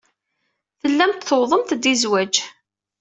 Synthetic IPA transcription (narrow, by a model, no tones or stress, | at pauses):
θəlːæmt̪θoðˤəmt̪d̪izwæd͡ʒ